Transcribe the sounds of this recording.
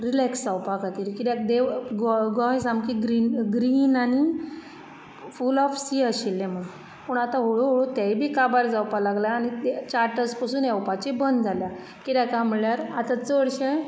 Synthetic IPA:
ɾilɛksd͡zawpakat̪iːɾkit̪jakd̪eɡɡɔ̃ɦẽsãmkiɡɾinɡɾiːnani | fulɔfsiːaɕilːɛ̃məɡ | pəːɳat̪ãɦoɭoɦoɭot̪jajbʱiːkabaɾd͡zawpalaɡljaːñit̪t͡ɕaɾʈəspasuːnɛwpat͡ɕibənd̪d͡zʱalja | kit̪jakamiɭjaɾat̪at͡səɽɕẽ

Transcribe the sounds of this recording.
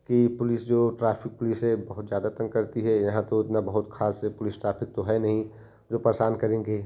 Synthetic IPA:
kipʊlɪsd͡ʒoːʈɾaːpʰɪk̚pʊlɪsɦɛbɐɦʊt̪zjaːd̪at̪ɐ̃ŋkɐɾt̪iɦɛjɐɦãt̪oɪt̪nabɐɦʊt̪kʰaːsepʊlɪsʈɾaːpʰɪk̚t̪oɦɛnɐɦĩ | d͡ʒoːpɾəsaːnkɐɾẽːɡeː

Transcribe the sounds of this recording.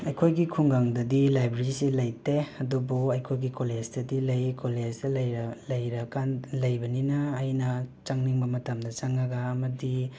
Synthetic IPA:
ɐjkʰojɡikʰuŋɡaŋdɐdilajbɾeɾisilɐjteɐdubuɐjkʰojɡikoled͡ʒdɐdilɐjkoled͡ʒdɐlɐjlɐjɾɐkanlɐjbɐninɐːjnɐt͡ʃaŋniŋbɐmɐtɐmdɐt͡ʃaŋɐɡɐːmɐdi

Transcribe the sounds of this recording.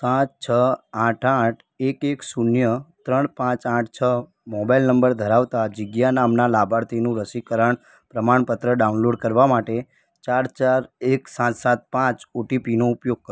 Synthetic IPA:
sãt͡ʃt͡ʃʰəãʈʰãʈʰ | ekeksunjət̪ɾəɳpãt͡ʃãʈʰt͡ʃʰə | mɔbajlnəmbəɾd̪ʱəɾaʋt̪ad͡ʒɪɡjanamnalabʱaɾt̪ʰinũɾəsikəɾəɳ | pɾəmaɳpət̪ɾəɖaunloɖkəɾʋamaʈe | t͡ʃaɾt͡ʃaɾeksãt̪sãt̪̚pãt͡ʃoʈipinoupjoɡ̚kə

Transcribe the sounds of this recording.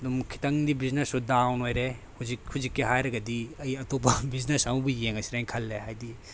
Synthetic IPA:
dumkʰi̥tɐŋdibiznesudawnojɾe | huzikhuzikːiɦajɾɐɡɐdiɐjɐtopɐbiznesɐmɐbujeŋɐsiɾajŋkʰɐlːehajdi

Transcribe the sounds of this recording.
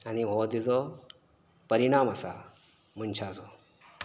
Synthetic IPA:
aniɦod̪id͡zo | pəɾiɽ̃aːməsa̰ | munt͡ʃʰad͡zo

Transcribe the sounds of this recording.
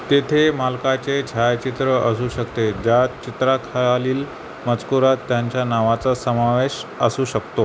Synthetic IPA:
t̪et̪ʰemalkat͡sed͡ʑʱajt͡ɕit̪ɾəəsuːɕəkt̪ed͡ʑat̪t͡ɕit̪ɾakʰaɭaliːl | mət͡skuɾat̪ːjaɲt͡ɕjanaʋat͡sasəmaʋeɕəsuːɕəkt̪o

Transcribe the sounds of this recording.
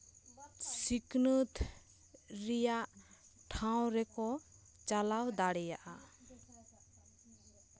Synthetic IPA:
siknət̪ | ɾijaʔ | ʈʰaw̃ɾɛkɔ | t͡ʃalawd̪aɽɛjaʔa

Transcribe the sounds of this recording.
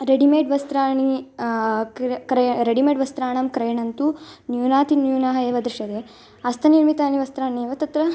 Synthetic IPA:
ɾeɽimeːʈʋɐst̪ɾaːɳi | kkɾɐɾeɽimeːɖʋɐst̪ɾaːɳɐmkɾɐjɐɳɐnt̪unjuːnaːt̪injuːnɐɦɐeːʋɐd̪ɾiʂɐd̪eː | ɐst̪ʰɐniɾmit̪aːniʋɐst̪ɾaːɳieːʋɐt̪ɐt̪ɾɐ

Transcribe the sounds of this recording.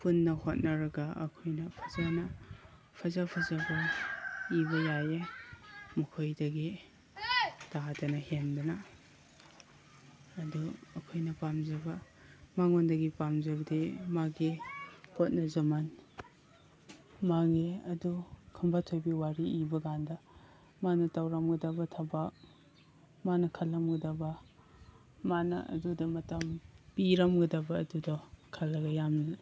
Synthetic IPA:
punːɐhot̚nɐɾɐɡɐɐ̰kʰojnɐpʰɐzanɐ | pʰɐzapʰɐzabɐ | ibɐjaje | mukʰojdɐɡi | taɦatɐnɐhendunɐ | duɐkʰojnɐpamzɐbɐ | maŋondɐɡipamzɐbɐdimaɡipʰot̚nɐzɐman | maɡeɐdukʰɐmbatʰojbiwaɾiibɐɡandɐ | manɐtawɾɐmɡɐdɐbɐtʰabak | manɐkʰalːɐmɡɐdɐbɐ | manɐ̰ʔɐ̰dudɐmɐtɐmpiɾɐmɡɐdɐbɐːdudɔkʰalːɐɡɐjamnɐ

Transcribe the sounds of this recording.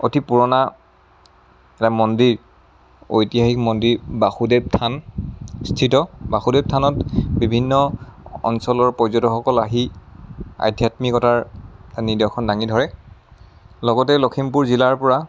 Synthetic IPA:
otʰipuɹɔna | ɛtamɔndiɹ | o̰jtiahikmɔndiɹbaxudeb̚tʰanstʰitɔbaxudeb̚tʰanɔtbibʱinːɔɔ̰nsɔlɔɹpɔjzɔtɔxɔkɔlaɦi | a̰jdʱjatmikɔtaɹanidɔkʰɔndaŋidʱɔɹɛ | lɔɡɔtɛlokʰimpuɹzilaɹpɔɹa

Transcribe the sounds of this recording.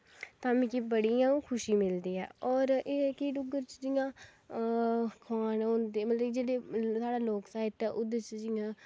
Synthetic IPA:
t̪aːmĩːkibəɽiːãːkʰʊʃiːmɪld̪iːɛ̰ːɔːɾeːɛːkɪɖʊɡəɾt͡ʃd͡ʒɪjãː | kʰʋaːnõːnd̪iːmət̪ləbd͡ʒeːɽeːsaːɽaːloːksaːiʈɛːʔʊd̪ət͡ʃəd͡ʒɪːãː

